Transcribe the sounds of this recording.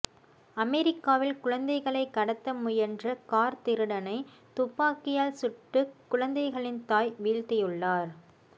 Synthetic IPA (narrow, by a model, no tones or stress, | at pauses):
ɐmɛɾɪkːaːʋɪlkʊɻɐnd̪ɐɪɣɐɭɐɪkːɐɽɐt̪ːɐmʊjɐndrɐkaːɾt̪ɪɾɯɽɐnɐɪ | t̪ʊpːaːkɪjaːlsʊʈːɯkːʊɻɐnd̪ɐɪɣɐɭɪnt̪aːjʋiːɻt̪ɪjɯɭːaːɾ